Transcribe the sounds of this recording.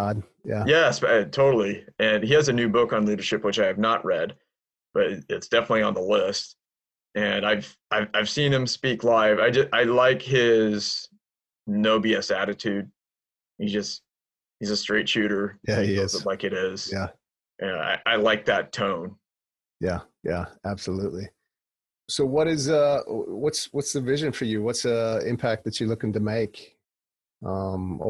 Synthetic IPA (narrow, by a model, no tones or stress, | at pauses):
d | jæjɛsʌtʰoʊɾl̩ˠiɨ̃niɨzɨnʉbʊkn̩liɾə˞ʃɪpwɨt͡ʃaɪɨvnəʔ̚ɹɛd̚ | b̥ʌɾɪtsd̥ɛfənətˡliə̃nðəlɪst̚ | ʔɨ̃naɪv̥ʔaɪvaɪv̥sĩnɨ̃mspiklaɪvaɪd͡ʒʌsaɪlaɪkɦɪz̥ | noʊbiɨsæɾɨtʰʉd̥̚ | hid͡ʒʌst̚ | hizɨstɹ̥eɪtʃʉɾə˞jæislaɪkɨɾɪz̥jæ | ʔæa̰ɪʔaɪlaɪk̚ðɨtʰõʊ̃n | jæ | jæ̰æb̥səluʔˡli | soʊwʌɾɪzʌwʌtswʌtsðɨvɪʒɨ̃nfə˞jɨwʌtsiɪ̰̃mpʰæk̪̚ðɨt͡ʃɨlʊkɪ̃ŋtɨmeɪk | ʌ̃m